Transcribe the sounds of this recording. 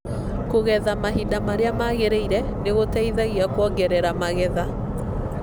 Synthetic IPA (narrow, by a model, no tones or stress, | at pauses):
koɣɛðamaɦidamaɾeamaɣeɾeiɾɛ | neɣotɛiðaɣiakwɔŋɡɛɾɛɾamaɣɛða